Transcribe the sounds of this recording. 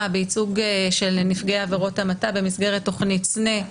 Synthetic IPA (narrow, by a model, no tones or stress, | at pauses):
abeit͡suɡʃe̞lnifɡeaːveʁo̞tamatabe̞misɡe̞ʁetːo̞χnitt͡sne